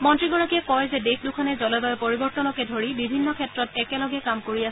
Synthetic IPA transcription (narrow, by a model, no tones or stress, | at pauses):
mɔntɹiɡɔɹakiɛkɔjzɛdexʰdukʰɔnɛzɔlɔbaɛpoɹibɔɹtɔnɔkɛdʱoɹibibʱinːɔkʰɛtɹɔtɛkɛlɔɡɛkamkoɹiasɛ